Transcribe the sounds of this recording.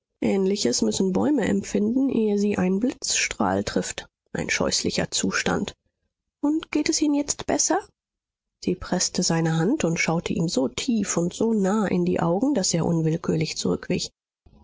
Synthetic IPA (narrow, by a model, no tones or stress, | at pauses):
ʔɛːnlɪçəsmʏsn̩bɔ̰ʏməʔɛ̰mfɪndn̩ʔeːəziːʔaɪnblɪt͡sʃtʁ̥a̰ːltʁ̥ɪft | ʔa̰ɪnʃɔ̰ʏslɪçɐ̰t͡suːʃta̰nt | ʔʊntɡ̥eːtɛsʔiːnənjɛt͡stb̥ɛsɐ | z̥iːpʁ̥ɛstəzaɪnəɦantʊntʃaʊtʰəʔḭːmzoːtʰiːfʊntz̥oːnaːʔɪ̰ndḭːʔa̰ʊɡŋ̩d̥aseːɐʔʊ̰nvɪlkʰyːɐlɪçt͡suʁʏkv̥ɪç